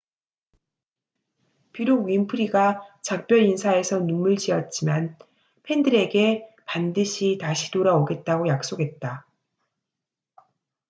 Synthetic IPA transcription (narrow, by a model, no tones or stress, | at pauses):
piɾoɡɥimpʰɯɾiɡat͡ɕak̚p͈jʌɾinsʰae̞sʰʌnumːɯɭd͡ʑiʌt̚t͡ɕ͈iman | pʰe̞ndɯɾe̞ɡe̞pandɯɕʰitaɕʰitoɾaoɡe̞t̚t͈aɡojak̚s͈oɡɦe̞t̚t͈a